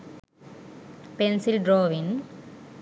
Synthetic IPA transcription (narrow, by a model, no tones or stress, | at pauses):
pensɪlɖɾoːʋin